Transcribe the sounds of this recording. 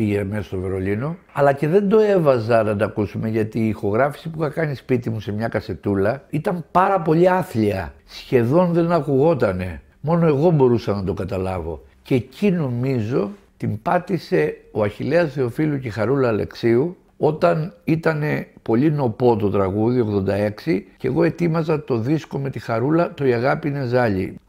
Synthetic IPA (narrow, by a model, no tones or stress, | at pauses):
piʝemesɐst̪ove̞ɾo̞lino̞ | ɐlɐce̞ðe̞nd̪o̞e̞vɐzɐnɐnd̪ɐkusume̞ʝɐt̪iːxo̞ɣɾɐfi̥sipuxɐkɐnispit̪imuse̞mɲɐkɐse̞t̪ulɐit̪ɐmpɐɾɐpo̞ʎiɐθliɐsçe̞ðo̞nðe̞nɐkuɣo̞t̪ɐne̞ | mo̞noe̞ɣo̞bo̞ɾusɐnɐd̪o̞ɡɐt̪ɐlɐvo̞̰ | ce̞cʰino̞mizo̞t̪impɐt̪ise̞o̞ɐçile̞ɐsθe̞o̞filucexɐɾulɐle̞̰ksiu | o̞t̪ɐnit̪ɐne̞po̞ʎino̞po̞t̪o̞t̪ɾɐɣuðioɣðo̞nd̪ɐe̞ksice̞̰ɣo̞e̞t̪imɐzɐt̪o̞ðisko̞me̞t̪ixɐɾulɐt̪o̞iɐɣɐpine̞zɐʎḭ